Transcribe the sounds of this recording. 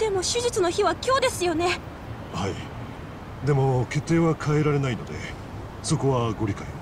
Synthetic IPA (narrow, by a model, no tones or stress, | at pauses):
d̪̥e̞mo̞ɕɨʑit͡sɨno̞çiβakʲo̞ːd̪e̞sɨjo̞ne̞ | haḭ | d̪e̞mo̞ke̞t̪ːe̞ːβakʰae̞ɾaɾe̞naino̞d̪e̞̰ | so̞ko̞βaɡo̞ɾʲikae